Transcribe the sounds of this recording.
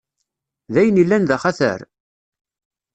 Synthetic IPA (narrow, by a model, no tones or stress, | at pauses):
ðæjənilːænðæχæθə̰ɾ